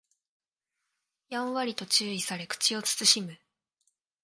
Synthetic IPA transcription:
jãɰ̃βaɾʲit̪o̞t͡ɕɨːisaɾe̞kɯ̥t͡ɕio̞t͡sɨ̥t͡sɨɕimɯ̟

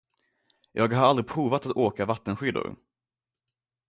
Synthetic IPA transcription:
jʔɑːɡɦaɾald̪ɾɪpʰɾuːvat̪at̪oːkavat̪ːənɧʏd̪ʊ̰ɾ

